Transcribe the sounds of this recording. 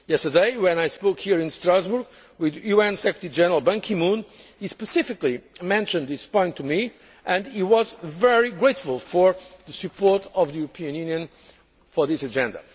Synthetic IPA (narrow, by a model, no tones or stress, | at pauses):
jɛstə˞deɪwɛ̃najspoʊkhiɹɪ̃nstɹazbuɹɡ | wɪðjuɛ̃nsɛkɹətəɹid͡ʒɛnəɹəlˠbɛ̃ŋkʰĩmũnispɨsɪfɨklimɛ̃nʃɨ̃nðɪspɔ̃ɪ̃ntʰːumi | ʔɨ̃ndiwʌzvɛɹiɡɹeɪtfʊl̩ˠfɔɹðəsɨpʰɔɹtʌvðɨjuɹəpʰiɨ̃njʉnjɨ̃n | fɔ˞ðɪsɨd͡ʒɛ̃ndə̰